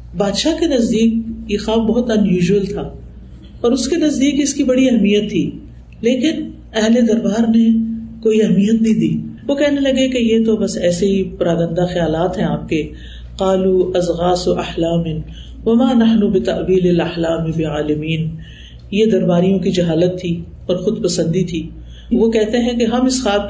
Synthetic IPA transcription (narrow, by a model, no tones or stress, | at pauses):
baːd̪ʃakenɐzd̪iːk̚jexaːbbɐɦʊt̪ɐ̃njuːʒʋəlt̪ʰaː | ɔːɾʊskenɐzd̪iːkɪskibɐɽiɐɦmijət̪ʰːiː | leːkɪn | ɛɦled̪ɐɾbaːɾnekoːiɐɦmijət̪̚nĩd̪iːʋokɛɦnelɐɡekejet̪̬obɐsɛːseɦipɐɾaːɡə̃nd̪axɐjaːlaːt̪ɦɛ̃aːp̚ke | qaːluːɐzɣaːsoʔɐħlaːmɪ | ʋɐmaːnɐħnubɪt̪ɐʔwiːlɪlɐħlaːmɪbɪʕaːlɪmiːn | jed̪ɐɾbaːɾijõkid͡ʒɐɦaːlət̪ʰːi | ɔːɾxʊd̪pɐsə̃nd̪it̪ʰiː | ʋokɛɦt̪eɦɛ̃keɦɐmɪsxaːb̚